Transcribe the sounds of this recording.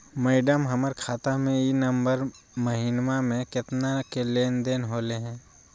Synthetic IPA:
mɛːɖəmɦəməɾkʰaːt̪amẽinəmbəɾ | məɦiːnmamẽkɪt̪nakeleːnd̪eːnɦoːleɦɛ̃ː

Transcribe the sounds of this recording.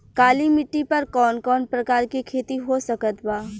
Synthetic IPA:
kaːlimɪʈːipɐɾkɔːnkɔːnpɾɐkaːɾkikʰeːt̪iɦosɐkət̪baː

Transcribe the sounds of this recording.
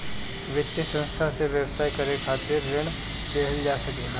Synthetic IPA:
ʋɪt̪ːesə̃nst̪ʰaseʋjəwsaːikɐɾekʰaːt̪ɪɾːɪɽ̃ | d̪eːɦəld͡ʒaːsɐkeː

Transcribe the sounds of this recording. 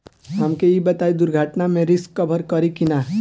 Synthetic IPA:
ɦəmkejibət̪aid̪ʊɾɡʱaːʈnamẽɾɪskːəbʱəɾkəɾikina

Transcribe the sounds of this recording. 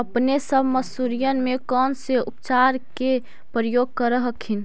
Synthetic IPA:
əpnesəbʱməsuɾijənmekɔnseupt͡ʃaɾke | pɾəjoɡ̚kəɾəɦəkʰin

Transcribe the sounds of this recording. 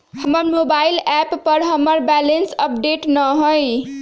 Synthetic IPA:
həməɾmobailɛpːəɾɦəməɾbɛlensəp̚ɖeʈnəɦoj

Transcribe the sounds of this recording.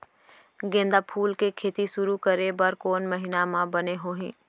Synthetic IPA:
ɡẽːnd̪apʰuːlkekʰeːt̪isʊɾukəɾebəɾkoːnməɦɪnamãbəneɦoːɦĩː

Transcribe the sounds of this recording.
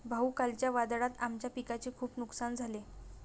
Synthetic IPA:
bʱaukalt͡ɕjaʋad̪ɽat̪amt͡ɕjapikat͡ɕekʰuːpnuksand͡zʱale

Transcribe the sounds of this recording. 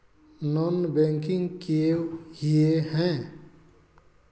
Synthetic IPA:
nɔnbɛ̃ŋkɪ̃ŋɡkiewhieɦɛ̃

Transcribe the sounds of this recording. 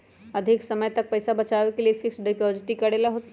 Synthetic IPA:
ɐd̪ʱɪksɐməjt̪ɐk̚pɐɪsabɐt͡ʃaːʋekeliefʰɪksɖaɪpɔːd͡ʒɪʈikɐɽeːlaɦoːt̪

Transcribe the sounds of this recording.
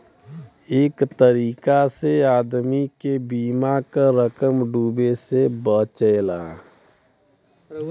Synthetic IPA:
eːkt̪əɾiːkaseaːd̪mikebiːmakaɾəkəmɖuːbesebət͡ʃəla̰ː

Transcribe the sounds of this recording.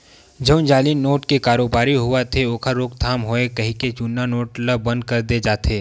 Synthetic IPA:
d͡ʒɐ̃ʊ̃nd͡ʒaːlinoːʈkekaːɾoːbaːɾiɦʊat̪ʰeoːkʰaɾoːkt̪ʰaːmɦoːekɐɦĩket͡ʃunːanoːʈləb̚ːɐ̃nd̪̚kɐɾd̪ed͡ʒaːt̪ʰeː

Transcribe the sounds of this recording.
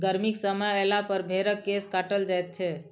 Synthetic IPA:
ɡəɾmiksəməelapəɾbʱeɾəkːeskaʈəld͡ʒajt̪̚t͡ʃʰɛ

